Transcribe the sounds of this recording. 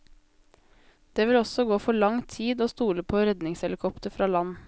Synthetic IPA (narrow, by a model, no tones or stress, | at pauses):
d̪̥eːʋɪlɔsɔɡoːfɔɭɑŋt̪ʰiːd̪oːst̪uːləpʰoːɾɛd̪nɪŋsɛlɪkʰɔpt̪əɾfɾɑːlɑn